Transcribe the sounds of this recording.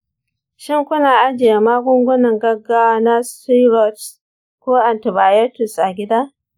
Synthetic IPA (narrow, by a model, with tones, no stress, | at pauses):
ʃɪ˦ŋkʷʊ˦naː˨ʔa˦d͡ʒɪ˨ja˨maː˦ɡʷʊ˦ŋɡʷʊ˦nɐ˨ŋɡɐ˦ɡa˦wa˦na˦sti˦ɾɔ˨t | kʷoː˦ʔa˨ntɪ˨baː˨jɛ˦tʊ˨sʔa˨ɡʲɪ˦daː˦